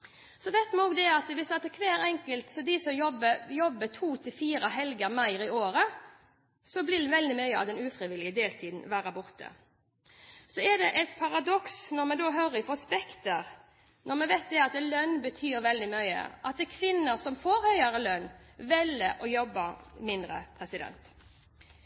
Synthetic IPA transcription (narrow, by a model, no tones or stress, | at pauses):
sɔʋɛɪt̪mɛɔːɡd̪ɛɑt̪ʋɪsɑt̪ːəkʰʋeːɾɛŋkəlt̪sɔd̪ɪsɔmjɔbəjɔbːət̪ʰuːt̪ʰɪlfiːɾəɦɛlɡəmæɪɾɪoːɾə | sɔblɪd̪ɛʋɛld̪ɪmœʏəɑ̰d̪ɛnʉːfɾɪʋɪlɪəd̪eːlt̪ʰiːd̪n̩ʋæːɾəbʊʁt̪ʰə̰ | sɔɛd̪ɛ̰ʔɛt̪pʰɑɾɑd̪ɔksnɔʁmɛd̪oːɦœːɾɪfɔspɛkt̪əɾ | nɔʁmɛʋɛɪt̪̚d̪ɛɑt̪lœnbət̪ʰyːɾʋɛld̪ɪmœʏə̰ʔɑt̪̚d̪ɛkʰʋɪnːəɾsɔmfoːɾhœʏɑɾəlœnʋɛlːəʔɔjɔbːəɾmɪnd̪ɾə̰pʰɾɛsɪd̪ɛ̰nt̪